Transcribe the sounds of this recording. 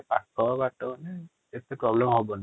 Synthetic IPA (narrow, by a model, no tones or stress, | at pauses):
patʰːɔabatɔnɛ | etɛpɹɔblɛmhobɔn